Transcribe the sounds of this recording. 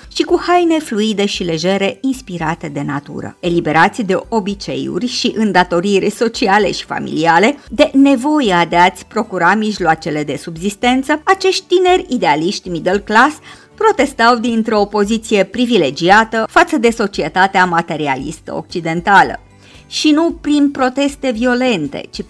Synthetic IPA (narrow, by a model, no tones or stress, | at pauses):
ʃikuhajne̞fluid̪e̞ʃile̞ʒe̞ɾe̞inspiɾat̪e̞d̪e̞nat̪ṵɾə̰e̞libe̞ɾat̪sʲd̪e̞ʔo̞bit͡ʃe̞̰jṵrʲʃiʔɨnd̪at̪o̞ɾirʲso̞t͡ʃiale̞̰ʃi̥fa̰mḭliale̞d̪e̞ne̞vo̞jead̪eat̪sʲpɾo̞kuɾamiʒloat͡ʃe̞le̞d̪e̞subzist̪e̞nt̪səat͡ʃe̞ʃt̪t̪ine̞rʲid̪e̞aliʃt̪ʲmid̪elklas | pɾo̞t̪e̞st̪awd̪int̪ɾo̞po̞zit̪sije̞pɾivile̞d͡ʒiat̪əfat̪səd̪e̞so̞t͡ʃie̞t̪at̪eamat̪e̞ɾia̰lḭst̪ə̰o̞̰k̚t͡ʃid̪e̞nt̪alə̰ | ʃinupɾinpɾo̞t̪e̞st̪e̞vio̞le̞nt̪e̞̰t͡ʃi